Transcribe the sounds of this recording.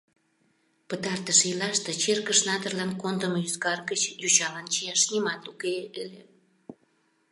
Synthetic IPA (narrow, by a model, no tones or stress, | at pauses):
pət̪ɑrt̪əʃilɑʃt̪ĕt͡ɕerkəʃnɑt̪ərlɑnkond̪əməyskɑrɡət͡ɕjut͡ɕɑlɑnt͡ɕijɑʃnimɑt̪ukeʔelʲe